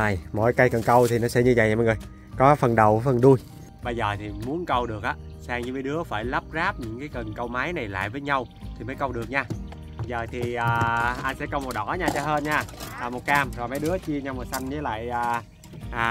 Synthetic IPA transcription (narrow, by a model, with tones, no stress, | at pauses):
a˨˩jmo̰˧˥jka˧jkə˨˩nkə˧wt̪ʰi˨˩nɔ˨˦sɛ̰˧˥ɲɨ˧və̰˧˨jɲ˨m̰ː˨˧˨jŋɨ˨˩j | kɔ˨˦fə˨˩nɗə˨˩wfə˨˩nɗu˧j | ɓə˧jzəː˨˩t̪ʰi˨˩mu˨˦ənkə˧wɗɨ˨˩ək̚ʔaː˨˦saː˧ŋɲɨ˧məː˨˦ɗɨ˨˦əfaː˧˩jlə˦˥p̚zaː˦˥p̚ɲɨ̰˧˥ŋkaː˨˦jkə˨˩nkə˧wma˨˦jna˨˩jla̰ː˧˨jvəː˨˦jɲa˧w | t̪ʰi˨˩məː˨˦jkə˧wɗɨ˨˩ək̚ɲaː˧ | zəː˨˩t̪ʰi˨˩ʔaː˨˩ʔa˧nsɛ̰˧˥kə˧wmo˨˩t̚ɗɔ˧˩˦ɲaː˧t͡ɕɔ˧˩ɦəː˧nɲaː˧˩ʔːmo˨˩t̚kaː˧mzo˨˩jma˨˦jɗɨ˨˦ət͡ɕi˧əɲa˧wmo˨˩t̚sa˧jŋ̟ɲə˨˦la̰ː˧˨jʔaː˨˩ | ʔaː˨˩